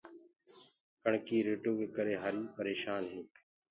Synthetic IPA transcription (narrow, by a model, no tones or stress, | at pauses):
kəɳkiːɾeːʈoːkeːkəɾeːɦaːɾiːpəɾeːʃaːnɦeː